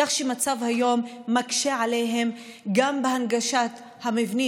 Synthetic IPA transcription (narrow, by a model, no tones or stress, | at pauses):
aχʃemat͡savhajo̞mːakʃeʕalejɦe̞m | ɡambehanɡaʃat̪ | hamivni